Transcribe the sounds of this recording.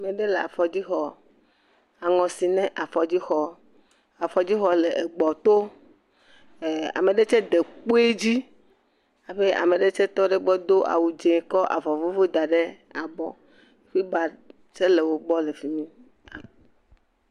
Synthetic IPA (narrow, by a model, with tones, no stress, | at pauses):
a˨me˨ɖe˦le˨a̰˨fɔ˨d͡ʑi˦xɔ˨ | a˨ŋɔ̃˨si˨nɛ̃˦ʔa˨fɔ˨d͡ʑi˦xɔ˨ | a˨fɔ˨d͡ʑi˦xɔ˨le˨ʔe˨ɡ͡bɔ˨t̪o˦˨ | a̰˨me˨ɖe˦t͡ʃɛ˦d̪e˨k͡po˦e˦d͡ʑi˦ | a˨ɸe˦a̰˨me˨ɖe˦t͡ʃɛ˦t̪ɔ˦ɖe˦ɡ͡bɔ˦d̪o˦ʔa̰˨wu˨d͡ʒẽ˨kɔ˦ʔa̰˨vɔ˨vo˦vo˦d̪a˨ɖe˦ | a˨bɔ̰˨ | ɸi˦ba˨ | t͡ʃe˦le˨wo˦ɡ͡bɔ˦le˨fi˨mĩ˦ | a˨m˨